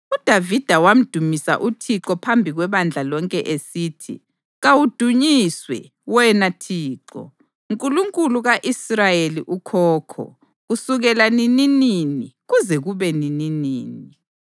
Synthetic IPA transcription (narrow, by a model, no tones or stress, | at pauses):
ud̥ʱavid̥ʱawam̩d̥ʱumisa̰ʔutʰiǁɔpʰambʱiɣwɛβand͡ɮʱalɔŋkʼɛʔesiːtʰḭ | ɣawud̥ʱuɲiswɛ̰ | wɛnatʰiːǁɔ̰ | uŋkʼuluŋkʼuluɣaʔisrajeliʔukʰɔːkʰɔ̰ | ɣusuɣɛlaninininiɣuzɛɣuβɛnininiːni